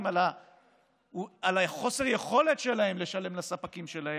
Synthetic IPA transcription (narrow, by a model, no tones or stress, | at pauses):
mala | alaχo̞seʁjeχo̞le̞tʃe̞lahe̞mle̞ʃale̞mlasapakimʃe̞lahe